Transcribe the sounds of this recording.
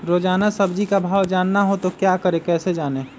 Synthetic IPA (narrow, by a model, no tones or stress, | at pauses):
ɾoːd͡ʒaːnəsəbd͡ʒikabʱaːwd͡ʒaːnːaɦot̪okjaːkəɾekɛːsed͡ʒaːneː